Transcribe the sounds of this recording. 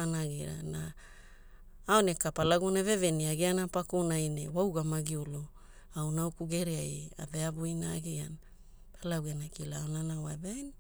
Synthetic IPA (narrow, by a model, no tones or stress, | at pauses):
anaɡiɾa̰na | onekapalaɡunaveveniaɡianapakunajnewawɡamaɡiulu | awnawkuɡeɾiaja̰veabuinaːɡiana | palaɡwɡenakilaonanawabajn